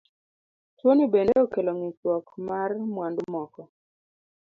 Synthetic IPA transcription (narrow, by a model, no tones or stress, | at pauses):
twonibendeɔkeloŋit͡ʃwɔkmarmwandʊmɔkɔ